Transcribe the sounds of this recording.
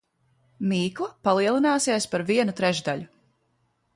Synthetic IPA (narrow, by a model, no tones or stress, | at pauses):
miːklˠapalˠiɛlˠinaːsiɛspaɾviɛnut̪ɾɛʒd̪aʎu